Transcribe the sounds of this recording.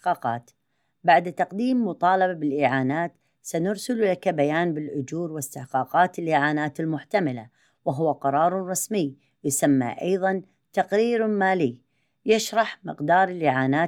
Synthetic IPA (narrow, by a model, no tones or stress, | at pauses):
qɑːqɑ̰ːt̪ | baʕd̪t̪ɑqd̪iːmːʊt̪ˤɑːlɑbabɪlʔiːʕaːnaːt̪ | sanʊɾsʊllakabajaːnbɪlʔʊd͡ʒuːɾwɪst̪ɪħqɑːqɑːt̪ɪlʔiːʕaːnaːt̪ɪlmʊħt̪amala̰ | wɪɦʊwaqɑɾˤɑːɾˤɾˤɑsmɪj | jʊsamːa̰ʔɑjðˤɑn | t̪ɑqɾiːɾmaːliː | jaʃɾˤɑħmɪqd̪ɑːɾˤɪlʔiːʕaːnaː